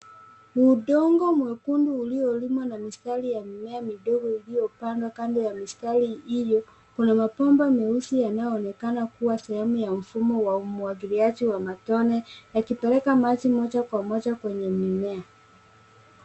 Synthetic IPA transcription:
uɗɔŋɡɔmwɛkunduːliɔlimwɔnamistalijamimɛamiɗɔɡɔilijɔpandwakandɛjamistaliijɔ | kunamapɔmbamɛusijanajɔːnɛkanakuwasɛhɛmujaɱ̩fumɔwaumuwaɡiliad͡ʒiwamatɔnɛjakipɛlɛkamat͡ʃimɔd͡ʒakwamɔd͡ʒakwɛɲɛmimɛa

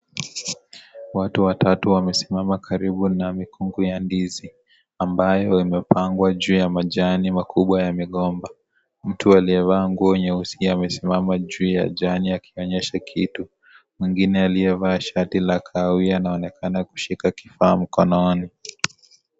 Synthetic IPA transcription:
watuwatatuwamɛsimamakʰaɾiɓunamikuŋɡujandizi | ambajɔimɛpaŋɡwaʄuːjamaʄanimakuɓwajamiɠɔmba | m̩tualiɛvaːŋɡuɔɲɛusiamɛsimamaʄuːja̰ʄaniakʰiɔɲɛʃakʰitu | mwiŋɡinɛaliɛvaːʃatilakʰawianaɔnɛkanaku̥ʃikakifaːm̩kɔnɔni

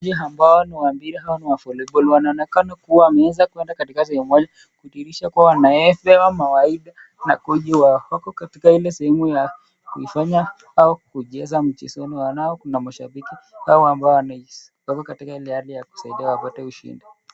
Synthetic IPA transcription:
d͡ʒiɦambaɔniwambiɾihawaniwafɔlɛbɔlwanaɔnɛkanɔkuwaːmɛɛzakuɛndakatikasɛhɛmumɔʄa | kuitiɾiʃakuawanaɛfɛwamawaiɗa | nakuʄiwawakɔkatikailɛsɛhɛmuja | kuifaɲa | aɔkuʄɛzam̩t͡ʃḭsɔniwanaɔkunamaʃa̰ɓikihaɔambaɔanai | wakɔkatikailɛhalijaku̥saiɗiawapatɛuʃḭndi

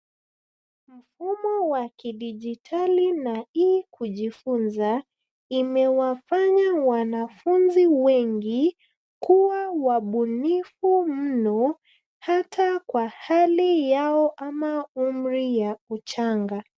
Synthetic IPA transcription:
m̩fumɔwakiɗiʄitʰalinaikuʄifunza | imɛwafaɲawanafunziwɛŋɡi | kuwawaɓunifumm̩nɔ | hatʰakwahalijaɔʔamaum̩ɾijaut͡ʃaŋɡa

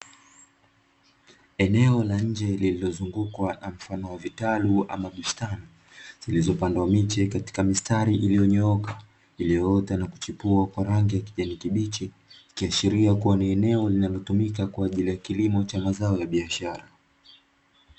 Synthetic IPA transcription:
ɛnɛɔlaɲ̩d͡ʒɛlililɔzuŋɡukwanam̩fanɔwavitalua̰maɡustani | z̥ilizɔpandwamit͡ʃɛkati̥kamistaɾiʔilijɔɲɔɔka | ilijɔɔtanaku̥t͡ʃipuakwaɾaŋɡijakiʄanikiɓit͡ʃi | ikiaʃiɾiakuwaniɛnɛɔlinalɔtumikakwaːʄilijakilimɔt͡ʃamazaɔjaɓiaʃaɾa

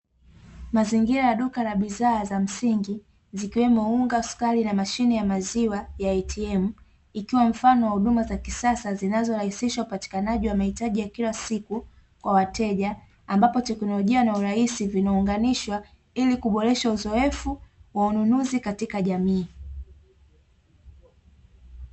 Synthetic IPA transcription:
maziŋɡiɾajaɗukaɾaɓizaːzam̩siŋɡi | zikiwɛmɔuŋɡausu̥kalinamaʃinijamaziwajaatʰiɛmu | ikiwam̩fanɔwahuɗumazakisasazinazɔɾahisiʃaupati̥kanaʄiwamahitaʄijakilasiku | kwawatɛʄaː | mbapɔtɛknɔlɔʄianauɾaisivinauŋɡaniʃwa | ilikuɓɔɾɛʃauzɔɛfuwaununuzikatikaʄamiː

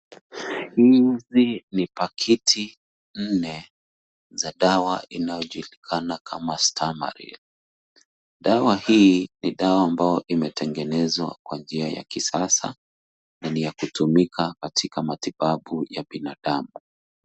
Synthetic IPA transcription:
hizinipakʰitʰi | n̩nɛ | zaɗawainajɔʄulikʰanakʰamastʰama̰ɾḭl | ɗawahiːniɗawaːmbajɔʔimɛtɛŋɡɛnɛzwa̰kwand͡ʒiaja̰kisasa̰ | nanijakutumikʰakatʰikamatiɓaɓujaɓinaɗamu

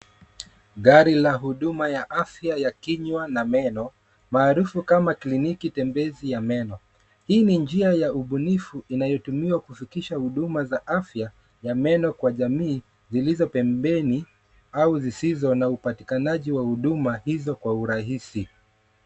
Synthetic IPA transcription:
ɠaɾilaɦuɗumajaʔafjajakiɲwanamɛnɔ | maːɾufukamaklinikitɛmbɛzijamɛnɔ | hiːnind͡ʒiajauɓunifuʔinajɔtumiwakufikiʃahuɗumazaʔafja | jamɛnɔkwaʄamiː | zilizɔpɛmbɛni | auzisizɔnaupati̥kanaʄiwahuɗumahizɔkwauɾaɦisi

